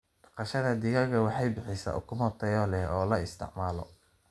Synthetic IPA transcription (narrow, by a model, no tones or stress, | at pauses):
ɖɑqɑʃɐðɐd̪ɪɣɐɣɐwɑħɑjbɪħɪsa̰ːʔʊ̰kʰʊmhɔt̪ʰɛːjɔlɛhɔːlɐɪst̪ʰɪ̰ʕmaːlɔ̰